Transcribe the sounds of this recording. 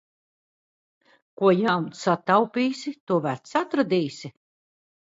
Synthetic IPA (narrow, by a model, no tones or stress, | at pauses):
kuɔjawmsat̪awpʲiːsʲit̪uɔvæɾt̪sat̪ɾad̪ʲiːsʲi